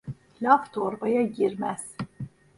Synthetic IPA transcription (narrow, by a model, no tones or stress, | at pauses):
lʲaft̪ʰoɾbajaɟiɾmæz̥